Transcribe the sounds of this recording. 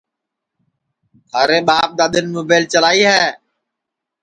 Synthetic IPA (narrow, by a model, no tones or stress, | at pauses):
ɦ̪ʰaːɾeːɓaːp̚ɗ̪aːɗ̪ɪnmoːbeːlt͡ʃəlaːiːɦɛː